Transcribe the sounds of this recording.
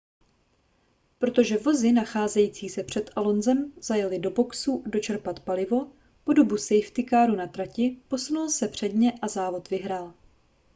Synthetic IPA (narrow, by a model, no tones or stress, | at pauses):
pɾo̞t̪o̞ʒɛvo̞zɪnaxaːzɛjiːt͡siːsɛpr̝̥ɛt̪ʔalo̞nzɛmz̥ajalɪdo̞bo̞ksudo̞t͡ʃɛɾpat̪palɪvo̞ | po̞do̞busɛjft̪ɪkaːɾunat̪ɾacɪpo̞sunulsɛpr̝̥ɛdɲɛʔazaːvo̞t̪vɪɦɾaːl